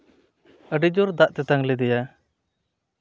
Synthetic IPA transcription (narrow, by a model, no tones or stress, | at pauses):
əɖid͡ʒɔɾd̪aʔt̪ɛt̪aŋlɛd̪ɛja